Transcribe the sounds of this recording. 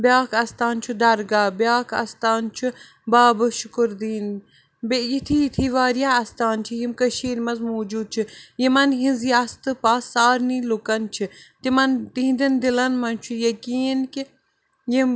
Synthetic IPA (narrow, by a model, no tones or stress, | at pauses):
bʲjaːkʰɐst̪aːnt͡ʃʰud̪ɐɾɡaːbʲjaːkʰɐ̰st̪aːnt͡ʃʰu | baːbɨʃʊkuɾd̪iːn | bejit̪ʰijit̪ʰiːʋaːɾjaːɐst̪aːnt͡ʃʰijimkɐʃiːɾmɐzmoːd͡ʒuːd̪̚t͡ʃʰijimɐnɦĩnzjaːst̪ɨpaːsːaːɾniːlukɐnt͡ʃʰit̪imɐnt̪iɦnd̪ind̪ilɐnmɐnt͡ʃʰujɐkiːnki | jim